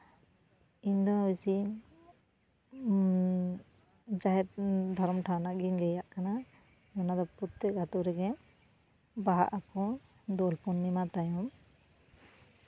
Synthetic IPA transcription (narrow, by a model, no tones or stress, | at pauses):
iɲd̪ɔisi | d͡ʒaɦɛt̪̚d̪ʱɔɾmʈʰawnaʔɡiɲlɛjaʔkana | nad̪ɔput̪ːɛɡat̪uɾɛɡɛ | baɦa̰ʔakɔ̃ | d̪ɔlpɔnːimat̪ajɔm